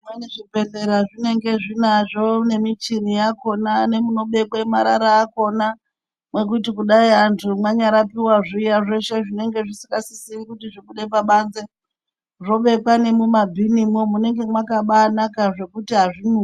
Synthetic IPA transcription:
mwaneʐibʱe̞ɮeɾaʐine̞ŋɡe̞ʐinaʐo̞ne̞mit͡ʃinijako̞nane̞muno̞ɓe̞kwaemaɾaɾaːko̞na | mwe̞k̬utikuɗaiantʰumwaɲaɾapiwaʐiːjaʐe̞ʃe̞ʐine̞ŋɡe̞ʐisiŋɡasisiʋikutiʐiɓuɗepaɓanze̞ | ʐo̞ɓe̞kwane̞mumabʱinimomune̞ŋɡe̞mwakaɓaːnakaʐe̞kutiɦaʐinu

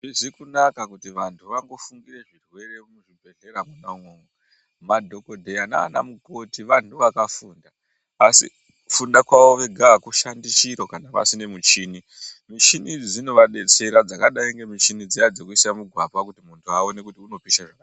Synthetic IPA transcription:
ʐizikunakakutiʋantʰuʋaŋɡo̞fuŋɡire̞ʐirwe̞re̞muʐibʱe̞ɮeɾamunauŋwoŋo | madʱo̞kodʱeana̰ːna̰muko̞tiʋantuʋakafuːndaː | sḭ | fundakwaʋo̞ʋe̞ɡʱakuʃandit͡ʃiɾokanaʋa̰sine̞mut͡ʃini | mit͡ʃinid͡zino̞ʋaɗe̞t͡se̞ɾad͡zakaɗaiŋɡe̞mit͡ʃinid͡zijad͡zekuisamuɡʱwapakutimuntʰuaonekutiuno̞piʃaʐaka

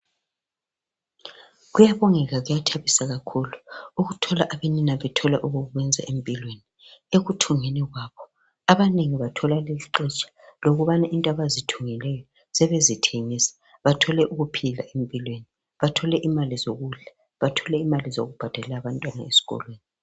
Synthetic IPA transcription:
ɣujaβɔŋɛɣaɣujatʰaβisaɣakʰuluuɣutʰɔlaʔaβeninaβɛtʰɔlaʔuɣuɣuɣwɛnd͡zʱaʔempʼilwenieɣutʰuŋɛniɣwaːβɔ | aβaneŋiβatʰɔlaleliǃɛt͡ʃʼḁloɣuβanaʔintʼaβazitʰuŋilɛjɔ | sɛβezitʰeŋisḁ | βatʰɔlɛʔuɣupʰila̰ʔem̩pʼilweni | βatʰɔlɛʔimalizoɣuɮa | βatʰɔlɛimalizo̰ɣub̥ʱad̥ʱalɛlaβantʼwana̰esi̥ɣɔ̰lweːni

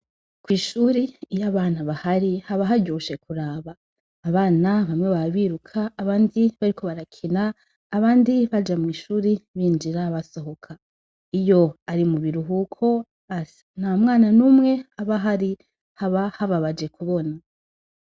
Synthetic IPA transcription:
kwiːʃuːɾijaβaːnaβahaɾihaβaɦaɟoʃe̞kuɾaːβaː | βaːnaβamŋe̞βaaβiːɾukʰaːβaːndiβaɾikʰo̞βaɾakʰinaː | βaːndiβad͡ʒamŋiːʃuːɾiβiːnd͡ʒiɾaβaso̞ɦo̞kʰa | ijo̞aɾimuβiɾuɦukʰo̞ | a | namŋaːnanuːmŋe̞aβaɦaɾi | haβahaβaβad͡ʒe̞kuβo̞na

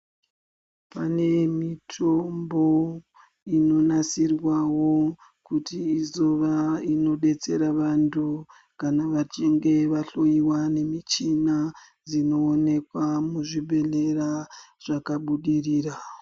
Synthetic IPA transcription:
pane̞mitʰo̞mbo̞ | ino̞nasirwawo̞ | kutʰiːzo̞ʋaino̞ɗe̞t͡se̞ɾaʋantu | kanaʋat͡ʃiŋɡe̞ʋaɬo̞jiwane̞mit͡ʃina | d͡zino̞ːne̞kwamuʐibʱe̞ɮe̞raʐ̥akaɓuɗiriːra

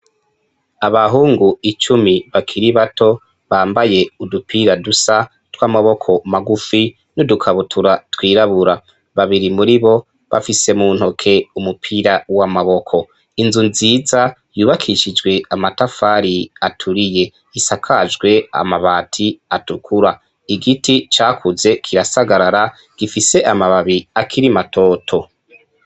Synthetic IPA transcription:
aβaɦuːŋɡuit͡ʃumiβakʰiɾiβatʰo̞ | βaːmbaje̞udupʰiːɾadusa | twaːmaβo̞kʰo̞maɡufi | nodukʰaβutʰuɾatwiːɾaβuɾa | βaβiɾimuɾiβo̞ | βa̰fise̞muːn̥ho̞kʰe̞umupʰiɾawamaβo̞kʰo̞ | inzunziːzajuːβakʰiʃid͡ʒɡwe̞amatafaːɾiatʰuɾije̞ | isakʰad͡ʒɡwe̞a̰maβaːtʰiatukʰuɾa | iɡitit͡ʃaːkʰuze̞kʰiɾasaɡaɾaɾa | ɡ̥ifise̞ʔamaβaβiakʰiɾimatʰo̞ːtʰo̞

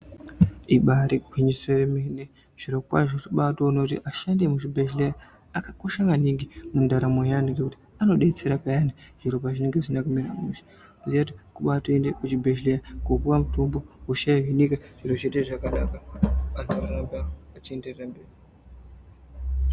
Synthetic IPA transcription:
iɓaɾiɡʱwiɲiseremene | ʐ̥iɾokwa̰ʐotiɓatonotḭʔaʃandemut͡ʃibeʃleja | akakoʃaŋɡaniŋɡimundaɾamojaniŋɡekuti̥ | ano̞ɗe̞t͡se̞ɾapajaniʐ̥iɾop̬aʐineŋɡesinakumiɾa̰muʃi̥ | uziatikuɓatuendekut͡ʃibʱeʃlejakokuwamutumbouʃaeɦinikaʐ̥iɾoʐeɗeʐakanakaantʰuaɾakaat͡ʃie̞nde̞rerambeːɾi

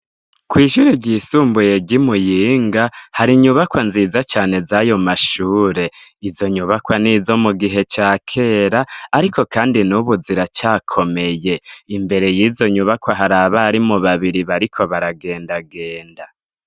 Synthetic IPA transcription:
kwiːʃuɾiɟiːsuːmbuje̞ɟimujiːŋɡahaɾiɲuβakwanziːzat͡ʃaːne̞zajo̞maʃuːɾe̞izo̞ɲuβakwaniːzo̞muɡiɦe̞t͡ʃaːkʰe̞ːɾaːɾikʰo̞kʰaːndinuβuziɾat͡ʃaːkʰo̞me̞je̞imbe̞ɾe̞jiːzo̞ɲuβakwaɦaɾaːβaɾimuβaβiɾiβaɾikʰo̞βaɾaɡe̞ːndaɡe̞ːnda

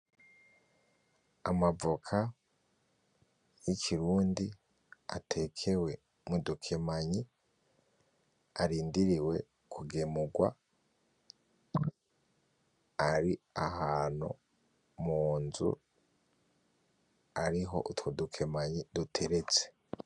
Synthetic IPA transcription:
amavokʰa | jicʰiɾuːndi | atʰe̞kʰe̞we̞ | mudukʰe̞maɲi | aɾiːndiɾiwe̞̰ | kʰuɡemuɡwa̰ | aɾiahaːno̰ | muːnzṵ | aɾiɦo̞̰ʔutwodukʰe̞maɲidutʰe̞ɾe̞t͡se̥

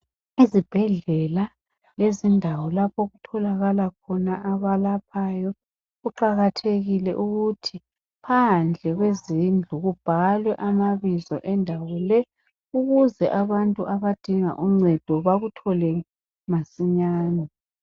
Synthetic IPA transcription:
izib̥ʱɛɮɛla | lezindʱawɔlapʰoɣutʰɔlaɣalakʰɔnaʔaβalapʰajɔ | uǃaɣatʰeɣilɛʔuɣutʰi | pʰand͡ɮʱɛɣwezind͡ɮʱuɣub̥ʱalwɛʔamaβizɔ̰ʔɛndʱawɔlɛ | uɣuzɛʔaβantʼuʔaβad̥ʱiŋa̰ʔuŋ͡ǀɛd̥ʱɔβaɣutʰɔlɛ | masiɲaːnɔ

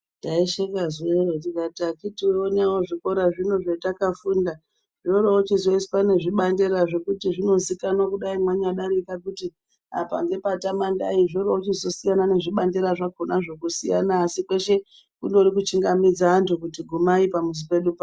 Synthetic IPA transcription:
ndaiʃekazweɾotikatakitionawoʐiko̞ɾaʐino̞ʐetakafunda | ʐoɾoot͡ʃizo̞ispane̞ʐiɓandeɾaʐe̞kutiʐino̞zikanokuɗaimwaɲaɗaɾikakuti | a̰pa̰ŋɡe̞patamandaiʐoɾoot͡ʃizo̞sijanane̞ʐiɓandeɾaʐaɡʱonaʐe̞kusija̰naːsikwe̞ʃe̞ | kundoɾikut͡ʃiŋɡamid͡zaːntukutiɡʱumaipamus̬ipe̞ɗupa

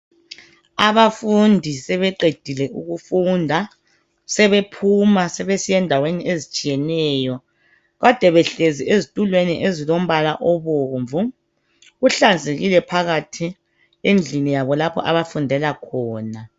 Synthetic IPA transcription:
aβafundʱisɛβɛǃed̥ʱilɛʔuɣufundʱa | sɛβepʰumasɛβesijɛndʱaweniʔezit͡ʃʼijɛnɛːjɔ | ɣad̥ʱɛβɛɬeziezitʼulweniʔezilom̩βalaʔɔβoɱvu | ɣuɬand͡zʱeɣilɛpʰaɣatʰi | end͡ɮʱinijaβɔlapʰɔ̰ʔa̰βafundʱɛlakʰɔːna

